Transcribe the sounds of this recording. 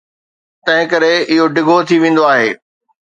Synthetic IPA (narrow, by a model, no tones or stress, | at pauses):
t̪ɐ̃ɦɪ̃kɐɾeɪɦoɖɪɡʱot̪ʰiʋẽːn̆d̪oaːɦeː